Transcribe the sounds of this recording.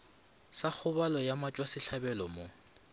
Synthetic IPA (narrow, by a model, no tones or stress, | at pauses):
sak͡xʰʊbalɔjamat͡ʃʼwasɪɬʰabɛlɔmo